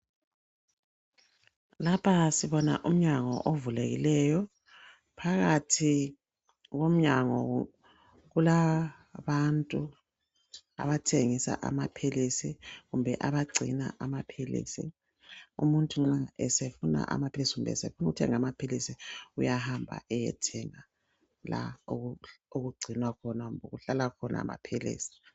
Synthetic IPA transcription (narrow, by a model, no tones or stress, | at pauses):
lapʰasiβɔna̰ʔum̩ɲaŋɔ̰ʔovulḛɣḭlɛjɔ | pʰaɣatʰi | ɣom̩ɲaŋɔ | ɣula | βantʼu | a̰βatʰeŋisa̰ʔa̰mapʰilisiɣumbʱɛʔaβaɡ͡ǀʱḭna̰ʔamapʰilḭːsḭ | ṵmuntʼuŋ͡ǁaɛsefuna̰ʔa̰mapʰelisiɣumbɛ̰sefunuutʰɛŋamapʰilisiujahambʱa̰ʔɛjɛ̰tʰɛŋa | la̰ooɣuɡ͡ǀʱinwakʰɔnaɣumboɣuɬalakʰɔnʔa̰ma̰pʰilḭːsi̥